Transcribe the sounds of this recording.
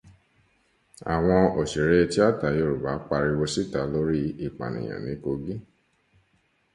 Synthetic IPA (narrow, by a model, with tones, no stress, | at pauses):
a̰˨w̃ɔ̃˧o˨ʃi˨ɾɛ˦˧ti˦a˦˨ta˨jo˧˨ɾu˨ba˨˦k͡pa˧ɾi˧wo˧si˦ta˨˦lo˦ɾi˦i˦˨k͡pa̰˨nḭ̃˨j̃ã̰˨nĩ˨˦ko˧ɡi˦